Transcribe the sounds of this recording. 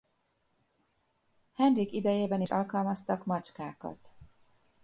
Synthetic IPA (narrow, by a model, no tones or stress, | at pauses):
hɛnrikid̪ɛjeːbɛniʃɒlkɒlmɒst̪ɒkmɒt͡ʃkaːkɒ̰t̪